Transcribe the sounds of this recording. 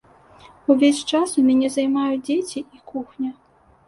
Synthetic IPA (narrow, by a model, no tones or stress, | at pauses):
uvʲesʲt͡ʂasumʲanʲɛzɐjmajud͡zʲet͡sʲiʔikuxnʲɐ